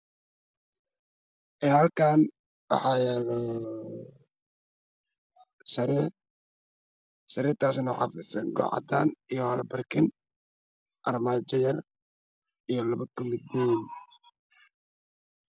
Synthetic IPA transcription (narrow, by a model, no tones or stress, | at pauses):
ʔɛːhɐlkʰaːn | wɑ̰ħɑːjɛlɔ | sɐɾir | sɐɾiːrt̪ʰaːsnʊħɑfɪsɐŋɡɔ̰ʕɑ̰d̪a̰ːnijɔhɐlbɐrkʰɪn | ʔɐrmaːt͡ʃɐjɐr | ijɞlɐβɐkʰʊmɪd̪ɛn